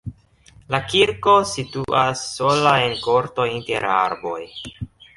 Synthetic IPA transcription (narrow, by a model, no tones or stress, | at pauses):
lakiɾko̞situʔasːolae̞nko̞ɾto̞inte̞̰ɾa̰ɾbo̞̰j